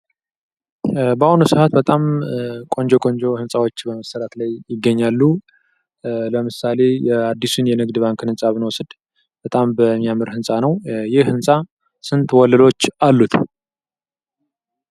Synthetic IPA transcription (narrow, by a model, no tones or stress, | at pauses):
bahunusɨhat̪bət̪ʼamkʼo̞nd͡ʒo̞kʼo̞nd͡ʒo̞hɨnsʼawo̞t͡ʃːbəməsəɾat̪lajjɪɡːəɲːalːu | ləmɨsale̞jɛad̪ːisunjɛnɨɡd̪βaŋkɨnɨnsʼaβɨnwɔsɨd̪ | b̥ət̪ʼambəmːijamɨɾhɨnsʼanəwjɪhhɨnsʼa | sɨnt̪wɔlːəlo̞t͡ʃːalːut̪ʰ